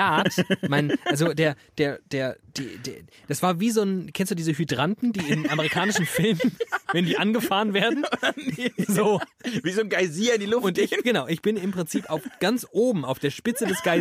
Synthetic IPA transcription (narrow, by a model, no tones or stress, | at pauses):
aːtmaɪnʔalzodeːɐd̥eːɐd̥eːɐd̥ḭːdḛ | d̥asv̥aːɐviːzoːnkʰɛnstd̥uːdiːzəɦydʁantn̩diːɪmʔaməʁ̞ikʰaːnɪʃn̩fɪlmvɛndiːʔanɡəfaːʁənveːɐdn̩ɐzoːviːzoːnɡaɪziːɐɪndilʊfʊntɪçɡ̥ənaʊʔɪçb̥ɪnɪmpʁ̥ɪnt͡siːpaʊfɡ̥ant͡sʔoːbm̩aʊfd̥eːɐʃpɪt͡sədɛsɡ̥aɪ